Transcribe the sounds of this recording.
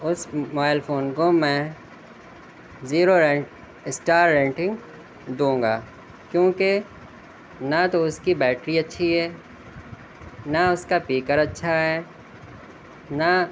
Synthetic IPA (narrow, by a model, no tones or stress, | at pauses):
ʊsmaɪlpʰoːnkomɛ̃ | ziːɾoɾɛ̃ʈ | ɪsʈaːɾːɛ̃ːɳʈɪ̃ŋɡ | d̪ũːŋɡa̰ː | kjõːke | nat̪oʊskibɛːʈɾiɐtːʃʰiɦɛː | naʊskapiːkəɾɐtːʃʰaɦɛː | na